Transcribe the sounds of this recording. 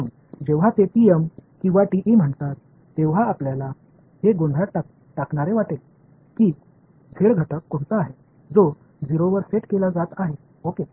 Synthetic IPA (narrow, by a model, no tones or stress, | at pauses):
un | d͡ʑeʋ̤at̪epiemkĩw̃ʋaʈiʔim̤əɳt̪at̪ː | eʋɦaːpljala | heɡoɳɖʱaʈa | ʈakɳaɾeʋaʈel | kiː | d͡zʱeɽɡʱəʈəkːoɳt͡s̪aːɦe | d͡zo | d͡ziɾoʋəɾseʈkelad͡zat̪aɦe | oke